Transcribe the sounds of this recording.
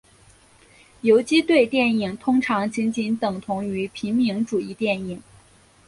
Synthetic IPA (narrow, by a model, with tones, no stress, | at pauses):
jo˧˥ʊt͡ɕi˥t̪we˥˧ɪt̪jɛ˥˩ni˨˩ŋt̪ʰʊ˥ŋʈ͡ʂʰɑ˧˥ŋt͡ɕi˧˥nt͡ɕi˧˥nt̪ɤ˨˩ŋt̪ʰʊ˧˥ŋy˧˥pʰi˧˥nmi˧˥ŋʈ͡ʂu˨˩i˥˧t̪jɛ˥˩ni˨˩˦ŋ